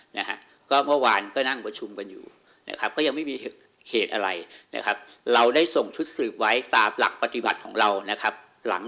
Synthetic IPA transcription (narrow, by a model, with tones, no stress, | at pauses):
na̰˦˥kʰa̰˦˥ | kɔː˥˩mɯ˥˩waː˧nkɔː˥˩na˥˩ŋpɾa˧t͡ɕʰu˧mka˧njṵː˨˩ | na̰˦˥kʰa˦˥p̚kɔː˥˩ja˧ŋma˥˩jmiː˧˨˩t̚ | hʰeː˨˩t̪ʔa˧ɾa˧jna̰˦˥kʰa˦˥p̚ | ɾa˧wdaː˥˩jso˨˩ŋt͡ɕʰu˦˥t̪̚sɯː˨˩p̚wa˦˥jt̪aː˧mla̰˨˩k̚pa˨˧t̪i˨˦ba̰˨˩t̪̚kʰɔ̰ː˩˦ŋɾa˧wna˦˥kʰa˦˥p̚ | la̰˩˦ŋ